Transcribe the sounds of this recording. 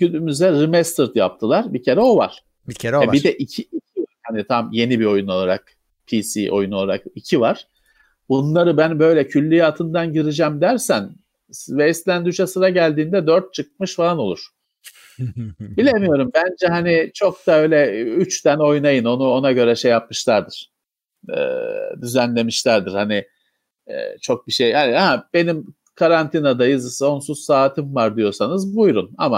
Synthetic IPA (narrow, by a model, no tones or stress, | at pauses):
ɟyd̪ymyzɛɾimɛst̪ɯɾt̪ja̰p̚t̪ʰɯlˠaɾbicʰe̞ɾɛo̞va̰ɾ̥ | ɾɛbid̪ɛʔicʰiicʰivaɾ̥hanit̪ʰamje̞nibio̞juno̞lˠaɾa̰k | pʰisḭʔo̞̰junolˠaɾakicʰivaɾ̥ | bunlˠaɾɯbænbø̞jlʲɛcʰylʲːijat̪ʰɯnd̪anɟiɾid͡ʒæmd̪æɾsæn | vɛst̪lʲænd̪yʃasɯɾaɟælʲd̪iːnd̪ɛd̪øɾt̪̚t͡ʃʰɯk̚mɯʃfalˠano̞lˠuɾ̥ | bilʲe̞mijo̞ɾumbænd͡ʒɛɦanit͡ʃʰo̞k̚d̪aø̞ːjlʲɛyt͡ʃt̪æno̞jnajɯno̞nuo̞naɟø̞ɾɛʃe̞jːap̚mɯʃlˠaɾd̪ɯɾ̥ | ɯ̰ːd̪yzænlʲe̞miʃlʲæɾd̪ɯɾ̥hanɪ̰ | t͡ʃʰo̞k̚biʃejhaniab̥e̞nim | kʰaɾant̪ʰinad̪ajɯzɯso̞nsuzsaːt̪ʰɯmvaɾd̪ijo̞sanɯzbujɾuna̰ma